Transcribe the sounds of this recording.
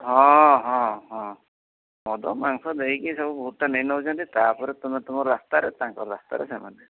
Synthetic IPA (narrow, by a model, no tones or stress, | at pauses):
ɦɔ̃ɦɔ̃ɦɔ̃ | mɔd̪ɔ̰maŋsɔd̪eikisɔbubɔɦuanejnɔut͡ʃʰant̪it̪apɔɾet̪umet̪umɔɾɔɾast̪aɾet̪aŋkɔɾɔɾast̪a̰ɾḛsema̰nd̪e